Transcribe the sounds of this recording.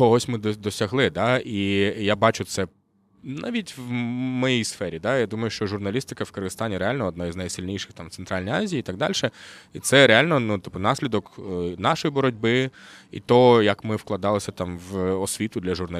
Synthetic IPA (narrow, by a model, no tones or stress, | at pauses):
ɔɔsʲmɪd̪ɔd̪ɔsʲɐɦlˠɪd̪ɑijabɑt͡ʃʊt̪sɛ | na̰ʋʲitʲʋmɔjijsfɛɾʲid̪ɑjad̪umɐjʊʃt͡ʃɔʒʊrnɐlʲist̪ɪ̥kɐwkɪrɣɪst̪ɑnʲiɾealʲnɔɔd̪nɔjznɐjsɪlʲnʲijʃɪ̥xt̪ɑmt̪sent̪ɾɑlʲnijazʲiiːt̪ɑɡ̚d̪ɑ̰lʲʃɛit̪sɛɾealʲnɔnut̪ɪ̥pːʊnɑsʲlʲid̪ɔknɑʃɔjibɔɾɔdʲbɪ | ḭt̪ɔjɐkmɪfklˠɐd̪ɑlˠɪsʲɐt̪ɑmʋɔsʲʋʲit̪ʊd̪lʲɐʒʊrnɐ